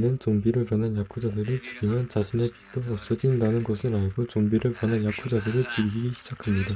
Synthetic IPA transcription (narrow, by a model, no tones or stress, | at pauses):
nɯnt͡ɕoŋbiɾɯɭpwʌnɦanjak͈ʰud͡ʑadɯɾɯɭt͡ɕi̥ɡimjʌnt͡ɕaɕʰine̞pi̥t͈oʌp̚s͈ʌd͡ʑindanɯnɡʌsʰɯɾaɭɡot͡ɕoŋbiɾɯɭpwʌnɦanjak͈ʰud͡ʑadɯɾɯɭt͡ɕiɾiɡiɡiɕʰid͡ʑakʰamɲida